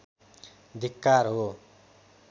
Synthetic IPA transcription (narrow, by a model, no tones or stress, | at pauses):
d̪ʱikːarɦo